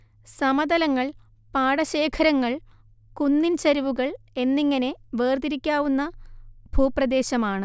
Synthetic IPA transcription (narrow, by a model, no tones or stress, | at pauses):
sɐmɐd̪ɐlɐŋːɐɭ | paːɽɐɕe̞ːkʰɐɾɐŋːɐɭ | kunːint͡ɕɐɾiʋuɣɐɭ | e̞nːiŋːɐne̞ʋeːrd̪iɾikʲːaːʋunːɐb̥ʱuːprɐd̪e̞ːɕɐmaːɳɨ